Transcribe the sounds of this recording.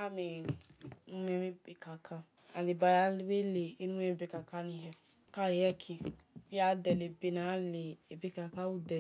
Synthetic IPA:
a˦me˨ | nu˦me˦mi˦be˨ka˨kʰa˦ | a˨de˨ba˨ja˨˦lwe˦leː˨˦nũ˦m˦e˦˨be˨ka˨ka˦nĩ˨ɦɛ˨ | ka˦˨jɛ˦kʰi˨ | wi˦a˦dɛ˨le˨be˨na˨˦le˨e˨be˦ka˨ka˦wu˦dɛ˨

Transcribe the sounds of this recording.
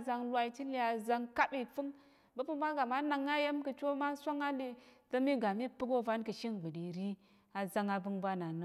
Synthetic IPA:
za˧ŋlʷa˨˦i˦ti˦li˦a˨za˧ŋka˦bi˨fɨ˦ŋ | bə˦pɨ˦ba˦ɡa˨ma˦na˨ŋːa˦je˦mkə˨t͡ʃo˦ma˦sʷa˦ŋa˦li˦tə˦mi˦ɡa˨mi˦pɨ˦ɡo˦va˦nkə˨ʃi˦ŋɡ͡bɨ˨ɗi˨ɾi˦ | a˨za˦ŋa˨bɨ˦ŋbʷa˦na˨nə˦

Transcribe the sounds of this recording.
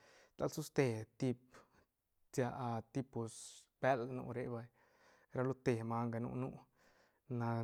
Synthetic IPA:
t̪a̰˧lsu˦st̪e˧t̪i˧p̚ | t͡sja˧ʔa˧t̪i˧pu˨sbe˦lnṵ˧ɾe˧ba˧j | ɾa˧˦lu˦t̪e˧˨ma˧ŋɡa˧nṵ˧nu˦ | na˧

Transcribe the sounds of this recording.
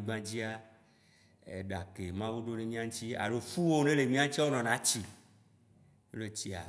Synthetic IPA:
i˨ɡ͡bã˦d͡ʑi˦a˦ | ḛ˨ɖa˨ke˨mã˦wu˦ɖo˦ne˦mĩ˦ã˦ŋ̩̃˦t͡ɕi˦a̰˨lo˨fu˦wo˦nẽ˦le˨mĩ˦ã˦t͡ɕi˦wo˦nɔ̃˨nã˨˦t͡ɕi˦ | u˦le˦t͡ɕi˦a̰˨

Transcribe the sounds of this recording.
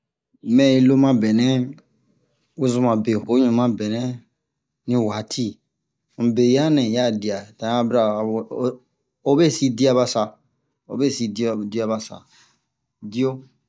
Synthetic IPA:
mɛ̃˨ĩ˧lo˦mã˦bɛ˨nɛ̃˦ | u˦zũ˦mã˨be˨o˦ɲũ˨mã˦bɛ˨nɛ̃˦ | nĩ˦wa˨˦tʰi˦ | m̩˨be˨ja˦nɛ̃˨ja˦˨di˨a˨tã˨˦a˦bɾa˨ | o˦be˦si˦di˦a˦ba˦sa˨ | o̰˦be˦˨si˧di˦di˦a˦ba˨sa̰˨ | di˦o˦

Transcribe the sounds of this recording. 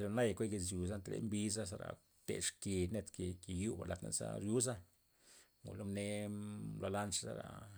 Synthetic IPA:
lo˧na˦jkʷe˦ɡe˧sju˨za˦nt̪lḛ˧˦mbi˦z̬a˦sa˧ɾa̰˨ | t̪ḛ˨ʂke˨ne˧t̪ke˨ke˨ju˦ba̰˨la˨t̪na̰˦sa̰˦ɾju˦za˦ | ŋṵ˨lo˦mne˦lo˧la˦nt͡ʃza̰˦ɾa̰˨

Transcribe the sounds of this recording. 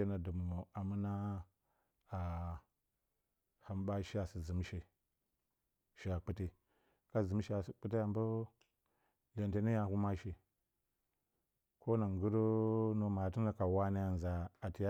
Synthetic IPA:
e˦na˨du˨mu˨o˨a˨mu˦na˦ | a˨ | ha˦mba˦ʃi˦a˨si˨zi˨m˦ʃe˨ | ʃi˨a˨k͡pi˦ti˦ | ka˦zi˨m˦ʃi˦a˨si˨k͡pi˦ti˦ja˨mbu˦ | le˨nte˨ni˦ja˨hu˦ma˦ʃi˨ | ko˦na˨ŋɡu˦ɾo˦no˨ma˨ti˦a˦ka˨wa˦na˦ja˨n˨za˨a˨ti˨ja˦

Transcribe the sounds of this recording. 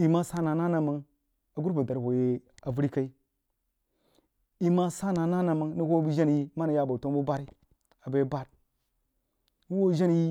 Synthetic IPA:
i˨ma˦sa˦na˨na˦na˦˨ma˨ŋ | a˨ɡu˦ɾba˨da˨ɾho˨je˦a˨vu˦ɾi˦ka˦i˦ | i˨ma˦sa˦na˨na˦na˨ma˨˦ŋni˦ho˦bi˦d͡ʒa˦n˨˦i˦ma˦na˨ja˦˨ba˨to˦nbu˦ba˦ɾi˦ | a˨ba˨˦ba˦ɾ | ni˦wo˦ʒa˦n˨ji˦

